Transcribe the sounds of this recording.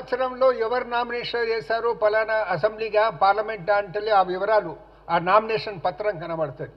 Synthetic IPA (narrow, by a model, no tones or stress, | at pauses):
t͡ʃɐɾɐmloːɛʋɐɾnaːmineːʂɐeːsaːɾupɐlaːnɐɐsɐmbliɡapaːɾlɐmeɳʈaːɳʈɐlːiaːʋiʋɐɾaːlu | aːnaːmineːʂɐnpɐt̪ːɾɐŋkɐnɐmaːɽt̪ːɐːd̪i